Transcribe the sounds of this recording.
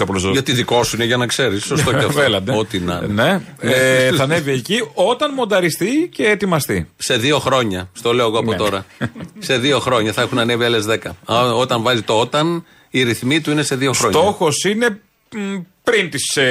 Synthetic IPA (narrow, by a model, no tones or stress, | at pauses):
oplosʝɐt̪iðiko̞suineʝɐnɐkse̞ɾisos̬t̪oefelɐnd̪ot̪inɐ̰nne | θɐneviecio̞t̪ɐnmo̞nd̪ɐɾist̪ice̞ːt̪imɐst̪ise̞ðio̞xɾo̞ɲɐst̪o̞le̞oɐɣoɐpo̞t̪o̞ɾɐse̞ðio̞xɾo̞ɲɐθɐexunɐnevielezðe̞kɐo̞t̪ɐɱvɐzit̪oot̪ɐn | iɾiθmit̪uine̞se̞ðioxɾso̞ɲt̪oxosine̞ | pɾint̪is